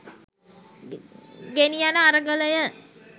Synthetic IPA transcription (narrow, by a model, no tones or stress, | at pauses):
ɡenijanəaɾəɡələjə